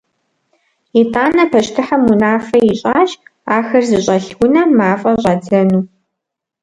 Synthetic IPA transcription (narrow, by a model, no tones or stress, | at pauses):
itʰʼaːnɐpʰɐɕtʰɨħɐmunaːfɐjɪɕʼaːɕaːxɐrzɨɕʼɐɬxʷʊnɐmaːfʼɐɕʼɑːdɐnuː